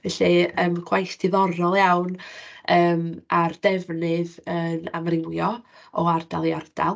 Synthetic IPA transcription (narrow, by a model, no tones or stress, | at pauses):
vɛɬiəmkʰwajstʰɪðɔɾɔlˠjawnəːmard̥ɛvnɨðəna̰mrɪŋjɔ | ɔardalˠiard̥a̰lˠ